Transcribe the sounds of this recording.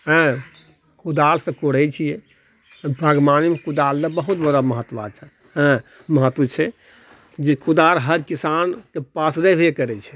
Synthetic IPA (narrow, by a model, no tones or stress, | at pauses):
ɦɛ̃ | kud̪aɾsə̃koɽɛt͡ʃʰijɛ | bʱəɡmanimekud̪aɾlebəɦut̪bəd̪aməɦət̪ːʋa̰t͡ʃʰɛ | ɦɛ̃ | məɦət̪ːwət͡ʃʰɛ | d͡ʒekud̪aɾɦəɾkisankepasɾɛbʱekəɾɛt͡ʃʰɛ̥